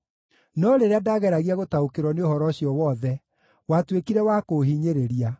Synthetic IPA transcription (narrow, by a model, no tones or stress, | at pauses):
nɔɾeɾeadaɣɛɾaɣiaɣotaokeɾwɔneohɔɾɔɕjɔwɔðɛ | watwekiɾɛwakoɦiɲeɾeɾia